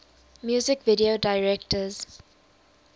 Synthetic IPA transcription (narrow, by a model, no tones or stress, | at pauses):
mjuːzɪkvɪɾiodaɪɹɛk̚təz̥